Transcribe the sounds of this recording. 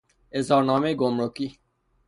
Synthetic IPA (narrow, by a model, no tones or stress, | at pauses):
ezɔɾnɔːmeɡomɾoki